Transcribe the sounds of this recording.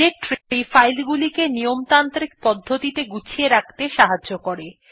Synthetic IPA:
eʈɾifajlɡulikenijomt̪ant̪ɾik̚pɔd̪ʱːot̪it̪eɡut͡ɕʰieɾak̚ʰt̪eʃaɦaːokoɾe

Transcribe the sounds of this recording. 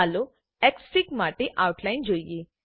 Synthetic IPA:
alo | ɛksikmaːʈeʔawʈʰlaɪnd͡ʒoːije

